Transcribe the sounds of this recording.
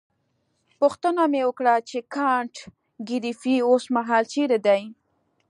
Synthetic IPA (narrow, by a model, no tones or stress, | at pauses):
pʊxt̪ənamewəkɽat͡ʃekɑɳʈ | ɡiɾifiosmaɦɑlt͡ʃeɾed̪aj